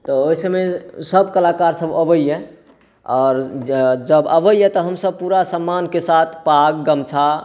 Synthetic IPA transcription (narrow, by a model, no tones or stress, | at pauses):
t̪ɔoisəmesəbkəlakaɾsəbəbəjɛ | ɔːɾd͡ʒəbəbəjɛt̪ɔɦəmsəb̚puɾasəmːankesat̪ʰpak̚ɡəmt͡ʃʰa